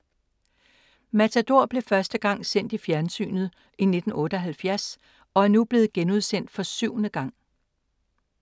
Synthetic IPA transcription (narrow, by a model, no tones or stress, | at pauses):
mæt͡sʰæd̥o̝ɐ̰b̥le̝fɶɐsd̥əɡ̥ɑ̈ŋ̰sen̰d̥ifjæɐnsy̰ːnð̩ˠ | ine̝d̥n̩ɔ̽ːɾ̥əɒ̽ɦælfjæɐs | ɒ̽æɐnub̥le̝ːð̞̩ˠɡ̥enuðˠsen̰d̥fɒ̽syʊ̰nəɡ̥ɑ̈ŋ̰